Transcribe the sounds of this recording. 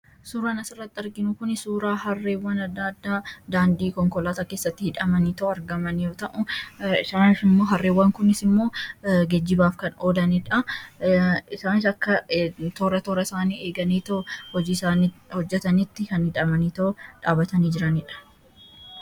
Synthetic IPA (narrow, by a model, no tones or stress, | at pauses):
suːɾaːnɐsɪrːɐt̪ːɪɐɾɡɪnʊkʊnɪsuːɾaːhɐrːeːwːɐnɐd̪ːaːd̪ːaːd̪aːnd̪iːkɔŋkɔlaːt̪ake̞ːsːɐt̪ːɪhɪᶑɐmɐniːt̪ɐʔʊɐɾɡɐmɐnjoːt̪ɐʔʊɪsaːnɪfɪmːo̞ːɦɐrːeːwːɐŋkʊnɪsɪmːo̞ːɡɛd͡ʒːɪbaːfkɐnoːd̪ɐnɪᶑɐ | ɪsaːnɪsɐkːɐt̪oːɾɐt̪oːɾɐɪsaːniːe̞ːɡɐniːt̪ɐʔʊhɔd͡ʒiːsaːnihɔd͡ʒːɛt̪ɐnɪt̪ːɪkɐnhɪᶑɐmɐniːt̪ɐʊᶑaːbɐt̪ɐniːd͡ʒɪɾɐnɪᶑɐ̥